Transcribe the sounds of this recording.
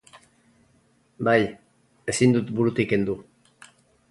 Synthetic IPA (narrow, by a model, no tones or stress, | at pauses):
baj | e̞sind̪ut̪buɾut̪ikend̪u